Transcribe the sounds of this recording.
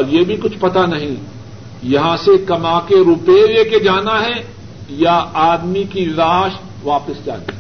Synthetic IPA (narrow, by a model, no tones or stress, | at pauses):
ɔːɾjebʱikʊt͡ʃʰpɐt̪anɐɦĩ | jɐɦãsekɐmaːkeɾʊpeːʋeked͡ʒaːnaɦɛ | jaaːd̪mikiɾaːʃ | ʋaːpəsd͡ʒa̰ːnaɦ